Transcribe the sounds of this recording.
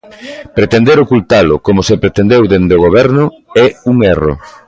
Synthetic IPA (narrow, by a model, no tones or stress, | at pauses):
pɾet̪end̪eɾokult̪alʊkomʊsepɾet̪end̪ewðend̪oɣ̞oβɛɾnʊ | ɛuŋero̰